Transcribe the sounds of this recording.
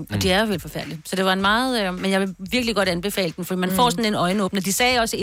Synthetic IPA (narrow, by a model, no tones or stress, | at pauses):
ɒ̽d̥iæɐjʋelfɒ̽fæɐd̥lisɒ̽d̥e̝ʋɑ̈enmɑ̈ːð̩ˠmenjɑ̈ɪʋe̝ʋiɐɡ̥liɡ̥ɒ̽ɾ̥ænb̥e̝fɛ̰ːləd̥em̩fɒ̽d̥ḭːmænfɒ̰ːsɒ̽n̩enɒ̽ɪnəɔːb̥nɐd̥isɛːɒ̽səe